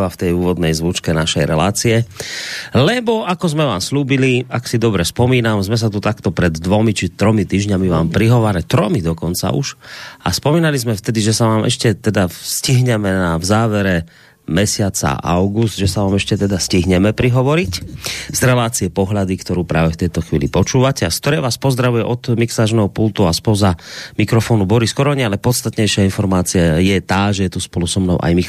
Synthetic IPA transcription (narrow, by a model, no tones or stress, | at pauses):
ʋaft̪ɛjuːʋɔd̪nɛjzʋut͡ʃkɛnaʃɛjɾɛ̰la̰ːt͡siɛ | lɛbɔʔakɔzmɛʋaːmsʎuːbiliaksid̪ɔbɾɛspɔmiːnamzmɛs̬at̪ut̪akt̪ɔpɾɛd̪ːʋɔmit͡ʃit̪ɾɔmit̪iːʒɲamiʋaːmpɾiɦɔʋaːɾɛt̪ɾɔmid̪ɔkɔnt͡sa̰ʔṵʒʔa̰spɔmiːnalizmɛft̪ɛd̪iʒɛsaʋaːmʔɛ̰ʃcɛt̪ɛd̪asciɦɲɛmɛnavzaːʋɛɾɛ | mɛsɪat͡sa̰a̰ʊɡusd̪ʒɛsaʋaːmɛʃcɛt̪ɛd̪asciɦɲɛmɛpɾiɦɔʋɔɾiczɾɛlaːt͡siɛpɔɦlad̪ikt̪ɔɾuːpɾaːʋɛft̪ɛjt̪ɔxʋḭːlipɔt͡ʃuːʋacɛaskt̪ɔɾɛːʋaːspɔzd̪ɾaʋujɛʔɔd̪miksaːt͡ʃnɛɦɔpult̪uaspɔzamikɾɔfɔːnubɔɾiskɔɾɔɲɛalɛpɔt̪st̪at̪ɲɛjʃɪainfɔɾmaːt͡siajɛt̪aːʒɛjɛt̪uspɔlusɔmnɔʊʔa̰jmi